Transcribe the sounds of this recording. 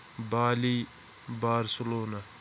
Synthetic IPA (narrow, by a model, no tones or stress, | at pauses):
baːliː | baːɾsoloːna